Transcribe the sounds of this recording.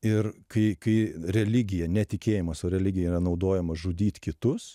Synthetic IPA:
ɪrkɐɪkɐɪɾʲɛlʲɪɡʲɪjɛnʲɛt̪ʲɪkʲeːjɪmɐsoːɾʲɛlʲɪɡʲɪjɛɾɐnɒʊd̪oːjɛmɐʒʊd̪ʲiːt̪ʲkʲɪt̪ʊs

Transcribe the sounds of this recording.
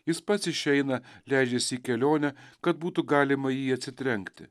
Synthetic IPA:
jɪspɐt̪sɪʃʲɛɪnɐlʲæˑɪd͡ʒʲɛsʲiːkʲɛlʲoːnʲɛkɐt̪̚buːt̪ʊɡɑːlʲɪmɐjiːɐt̪ʲsʲɪt̪ʲɾʲɛŋkt̪ʲɪ̰

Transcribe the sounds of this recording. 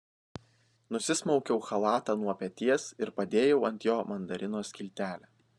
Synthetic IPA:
nʊsʲɪsmɔʊkʲɛʊxɐlˠɑːt̪ɑːnuɔpʲɛt̪ʲiɛsɪɾpɐd̪ʲeːjɛʊɐnʲt̪ʲjoːmɐnd̪ɐɾʲɪnoːsʲkʲɪlʲt̪ʲæːlʲæː

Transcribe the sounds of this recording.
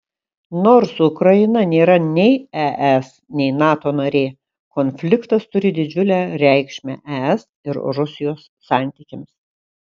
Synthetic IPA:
noːɾsʊkɾɐɪnɐnʲeːɾɐnʲɛɪɛʔɛsnʲɛɪnɑːt̪oːnɐɾʲeː | konʲfʲlʲɪkt̪ɐst̪ʊɾʲɪd̪ʲɪd͡ʒʲʊlʲæːɾʲɛɪkʃʲmʲæ̰ʔɛɛs | ɪɾɾʊsʲɪjoːsːɑˑnʲt̪ʲikʲɪmʲs

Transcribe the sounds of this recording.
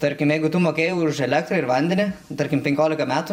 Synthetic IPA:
t̪ɐɾʲkʲɪmjɛɪɡʊt̪uːmoːkʲeːjɛʊʊʊʃɛlʲæːkt̪ɾɐɪɾʋɐnʲd̪ʲɛnʲɪt̪ɐɾʲkʲɪmpʲɛŋʲkʲoːlʲɪkɐmʲæːt̪ʊ

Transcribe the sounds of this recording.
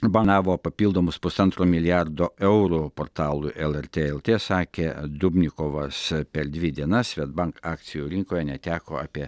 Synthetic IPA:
bɐnɑːʋoːpɐpʲiːlˠd̪oːmʊspʊsɐnt̪ɾoːmʲɪlʲɪjæɾd̪oːʔɛʊɾupoːɾt̪ɑːlˠʊɪʔɛlˠɛɾʲt̪ʲeːɛlˠt̪ʲeːsɑːkʲeːd̪ʊbʲnʲɪkoːʋɐspʲɛɾd̪ʲʋʲɪd̪ʲiɛnɐsʋʲɛd̪̚bɐŋkɑːkt̪sʲɪjuːɾʲɪŋkoːjɛnʲɛt̪ʲæːkoːɑpʲiɛ

